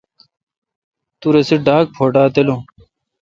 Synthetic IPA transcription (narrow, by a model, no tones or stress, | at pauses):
t̪uɾeseɖaːk̚pʰoːʈaːt̪elo